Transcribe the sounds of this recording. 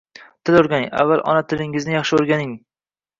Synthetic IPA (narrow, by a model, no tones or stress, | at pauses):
t̪ʰɪloɾɡʲanɪŋa̰vːalˠʔɒ̰nat̪ʰɪlɪŋɪznɪjɑχʃɪoɾɡʲanɪŋ